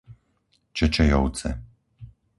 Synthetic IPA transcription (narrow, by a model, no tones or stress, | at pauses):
t͡ʃɛt͡ʃɛjɔw̪t͡sɛ̰